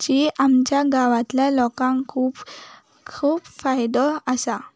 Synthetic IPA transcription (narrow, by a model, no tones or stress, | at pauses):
d͡ʑiʔamt͡ɕjaɡaʋãt̪ljalɔkãŋkʰuːp | kʰuːbfajd̪ɔəsa